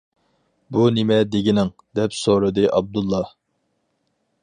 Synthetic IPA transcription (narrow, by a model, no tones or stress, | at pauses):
bunɪmɛd̪eɡʲinɪŋ | d̪ɛpsoɾɨd̪ɨʔɑb̚d̪ulˠːɑ